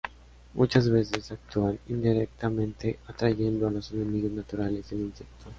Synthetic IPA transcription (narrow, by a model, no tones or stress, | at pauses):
mʔut͡ʃazβesesak̚t̪uanind̪iɾek̚t̪amẽnt̪eat̪ɾaʝẽ̞nd̪oalosenemiɣoznat̪uɾalezelinsek̚t̪o